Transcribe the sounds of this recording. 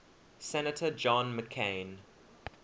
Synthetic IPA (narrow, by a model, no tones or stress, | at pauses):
sɛnətʰəd͡ʒɔ̃nməkʰẽɪn